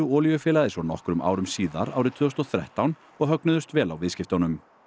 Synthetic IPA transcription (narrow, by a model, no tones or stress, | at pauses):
ʏɔːljʏfɛːlaðɪsɔnɔhkɾʏmʔa̰ːwɾʏmsiːða̰ɾa̰ːwɾɪt̪ʰvʏɔst̪ɔθɾɛ̰ht̪awn | ɔɣɦœknʏðʏst̪vɛːlawvɪðscɪft̪ɔnʏm